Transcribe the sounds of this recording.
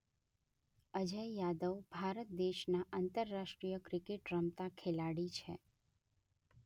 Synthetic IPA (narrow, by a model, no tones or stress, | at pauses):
əd͡ʒəjjad̪əʋbʱaɾət̪̚d̪eʃnaʔant̪əɾːaʃʈɾijəkɾikeʈɾəmt̪akʰelaɽit͡ʃʰḛ